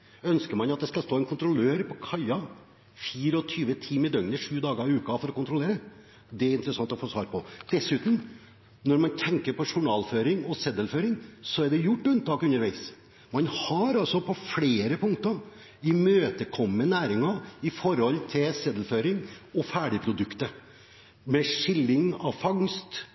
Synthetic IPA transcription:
œnskəɾmɑnɑt̪̚d̪ɛskɑst̪oːɛnkʰʊnt̪ɾʊløːɾpʰɔkʰɑɪɑ | fiːɾəɔt̪ʰyːʋət̪ʰiːmɪd̪œŋnəʂʉːd̪ɑːɡəɾɑɪʉːkɑfɔɾɔkʊnt̪ɾʊleːɾə | d̪ɛæɾɪnt̪əɾəsɑŋt̪ɔfoːsʋɑːɾpʰɔd̪̥ɛsʉːt̪m̩ | nɔɾmɑnt̪ʰɛŋkəɾpɔʂʊɳɑːlføːɾɪŋɔsɛd̪əlføːɾɪŋsɔæɖɛjʊʈːʉnt̪ɑːkʉnːəɾʋæɪs | mɑnhɑɾɑlsɔpʰɔfleːɾəpʰʊŋt̪əɾ | ɪmøːt̪əkʰɔmːənæːɾɪŋɑɪfɔɾɔlːt̪ʰɪlsɛd̪əlføːɾɪŋɔfæːɖɪpʰɾʊd̪ʉkt̪ə | mɛʂɪlːɪŋɑʋfɑŋst̪

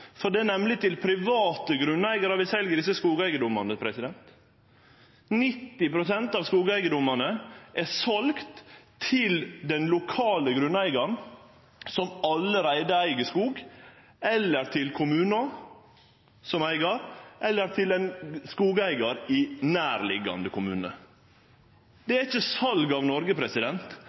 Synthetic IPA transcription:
fɔɖɛnɛmlɪt̪ɪlpʰɾɪʋɑːt̪əɡɾʉnːæɪɡəɾəʋɪsɛlɡəd̪ɪs̬əskuːɡæɪɡəd̪ʊmːɑnəpʰɾɛsɪd̪ɛnt̪ | nɪt̪ːɪpɾʊsɛnt̪ɑːʋskuːɡæɪɡəd̪ʊmɑnəʔɛsɑlɡt̪ʰː | ɪld̪ɛnlʊkʰɑːləɡɾʉnæɪɡɑɳ | sɔmɑlːəɾæɪd̪əæɪɡəskuːɡ | ɛlːəɾt̪ʰɪlkʰʊmʉːnɑ | sɔmæɪɡɑɾʔɛlːəɾt̪ʰɪlɛnskuːɡæɪɡɑɾɪnæːɾlɪ̰ɡɑ̰nd̪əkʰʊmʉ̰ːnə̰ | d̪̥ɛæɾɪçəsɑlɡɑːʋnɔɾɡəpʰɾɛsɪd̪ɛnt̪

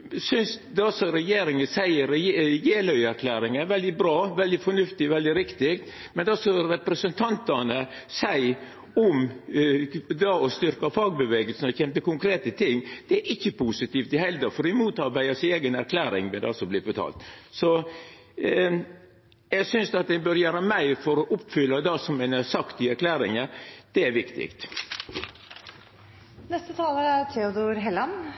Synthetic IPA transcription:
sʏnsd̪ɛɔsɔɾɛjeːɾɪŋəsæɪəɾɛjeːlœʏæɾkʰlæːɾɪŋəʋɛld̪ɪbɾɑːʋɛld̪ɪfɔnʉft̪ɪʋɛld̪ɪɾɪkt̪ɪkt̪ | mɛnd̪ɛɔsɔɾɛpɾəsənt̪ʰɑnt̪ɑnəsæɪ | ɔm | d̪ɑɔst̪ʏɾkɑfɑːɡ̚bəʋeːɡəlsn̩ɔçɛmpəkʊŋkʰɾeːt̪ət̪ʰɪŋːd̪̥ɛæɾɪçːəpʰusɪt̪iːft̪ɪhɛld̪əfɔɾɪmuːt̪ɑɾbæɪəseːɡənæɾkʰlæːɾɪŋʋɛd̪ɑ̰sɔblɪːbɔt̪ʰɑ̰ːlt̪sɔ | jæɡsʏnsd̪ɑt̪̚d̪ɛbøɾjøːɾəmæɪfɔɾɔʔʊpfʏlːɑd̪ɑsɔmɛnæsɑkt̪ɪæɾkʰlæːɾɪŋəd̪̥ɛæɾʋɪkt̪ɪ̰kt̪ | nɛst̪ət̪ʰɑːləɾæɾt̪ʰɛʊd̪ɔɾɦɛlɑn

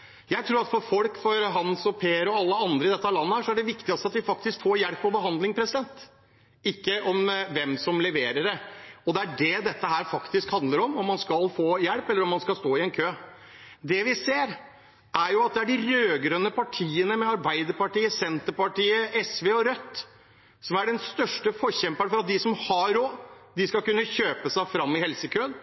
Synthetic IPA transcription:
jæɪt̪ʰɾuːɾɑt̪fɔɾfɔlkfɔɾɦɑnsɔpʰeːəɾɔɑlːəɑnd̪ɾəɪd̪ɛt̪ːəlɑnːəhæːʂɔæɖɛʋɪkt̪ɪɡɑst̪əɑt̪̚d̪ɪfɑk̚t̪ɪskfoːɾjɛɽpːɔbəɦɑnd̪lɪŋpʰɾɛsɪd̪ɛnt̪ | ɪkːəʔɔmʋɛmsɔmlɛʋeːɾəɖəɔd̪ɛæɖɛd̪ɛt̪ːəɦæːɾfɑkt̪ɪskhɑnd̪ləɾɔmɔmːɑnskɑlfoːjɛɽpɛlːəɾɔmːɑnskɑlst̪oːɪɛnkʰøː | d̪ɛʋɪseːɾ | ʔæɾjʊɑt̪̚d̪ɛæɖɪɾøːɡɾœnːəpʰɑʈʰiːənəmɛɑɾbæɪd̪əɾpɑʈiːəsɛnt̪əɾpɑʈiːəɛsʋeːɔɾœt̪ː | sɔmæɖɛnst̪œʂʈəfɔɾçɛmpəɳfɔɾɑt̪̚d̪ɪsɔmhɑɾoːd̪ɪskɑlkʉnːəçøːpəsæɪfɾɑmːɪhɛlsəkʰøːn

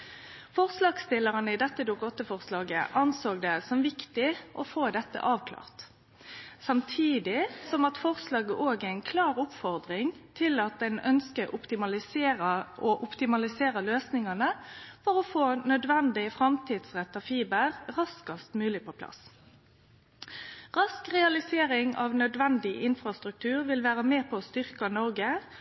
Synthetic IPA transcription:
fɔʁslɑːɡst̪ɪlːəʁənəɪd̪ɛt̪ːəd̪uːkɔt̪ːəfɔʁslɑːɡəʔɑnsoːɡ̚d̪ɛsɔmʋɪkt̪ɪʔɔfoːd̪ɛt̪ːə̰ʔɑːʋkʰlɑ̰ːʁt̪ | sɑmt̪ʰiːd̪ɪsɔmɑt̪fɔʁslɑːɡəʔoːɡəɪnkʰlɑːʁʊpfɔʁd̪ʁɪŋt̪ʰɪlɑt̪̚d̪ɛnœnskəʔʊpt̪ɪmɑlɪ | ʔɔʔʊpt̪ɪmɑlɪseːʁəløːsnɪŋɑnəfɔʁɔfoːnœd̪ʋɛnd̪ɪəfʁɑmt̪ʰiːd̪sʁɛt̪ːɑfiːbəʁʁɑskɑst̪mʉːlɪpʰɔpʰlɑ̰s | ʁɑskʁɛɑlɪseːɾɪŋɑ̰ːʋnœd̪ʋɛnd̪ɪʔɪnfʁɑst̪ʁʉk̚t̪ʰʉːʁʋɪlʋæːʁəmeːpʰɔst̪ʏʁkɑnɔʁɡə

